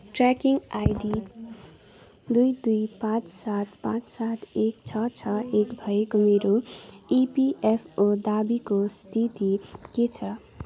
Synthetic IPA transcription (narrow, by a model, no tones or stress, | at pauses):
ʈrakiŋɡajɖi | d̪ujd̪ujpãt͡ssat̪pãt͡ssat̪ʰek̚t͡sʰʌt͡sʰʌekbʱʌekomeɾoipiʔepʰod̪abikost̪ʰit̪iket͡sʰʌ